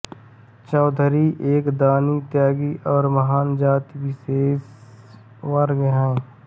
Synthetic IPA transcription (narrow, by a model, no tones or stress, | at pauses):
t͡ʃɔːd̪ʱɾiʔeːkd̪aːnit̪jaːɡiʔɔːɾməɦaːnd͡ʒaːt̪ibɪseːs | ʋəɾɡəɦɛ̃ː